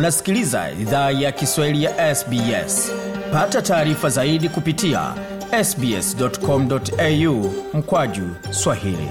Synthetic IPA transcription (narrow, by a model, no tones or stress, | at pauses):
nasi̥kiliza̰ḭðaːjakiswahilijaʔɛsbiɛ̰spatataːɾifazaiɗikupitia̰ | ɛsbiɛ̰sdɔtkɔm̩dɔtɛjum̩kwaʄu | swahḭlḭ